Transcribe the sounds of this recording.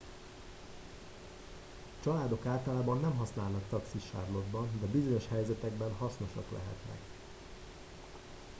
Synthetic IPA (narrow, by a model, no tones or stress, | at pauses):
t͡ʃɒlaːd̪o̞kaːlt̪ɒlaːbɒnːɛmɦɒsnaːlnɒkt̪ɒksiʃa̰ːrlo̞d̪bɒnd̪ɛbizo̞ɲo̞ʃhɛjzɛt̪ɛɡbɛnɦɒsno̞ʃɒklɛ̰ɦɛ̰t̪nɛ̰k